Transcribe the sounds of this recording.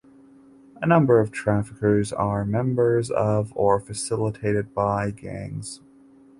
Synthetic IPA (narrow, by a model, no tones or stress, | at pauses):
ʔənʌ̃mbə˞ʌv̥tʰɹ̥æfəkə˞zə˞mɛ̃mbə˞zʌ̰və˞fɨsɪlˠətʰeɪɾɨd̚baɪɡæ̰̃ŋz̥